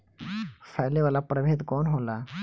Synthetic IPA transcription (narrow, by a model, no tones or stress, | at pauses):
fʰajleʋalapɾəbʱed̪kɔnɦola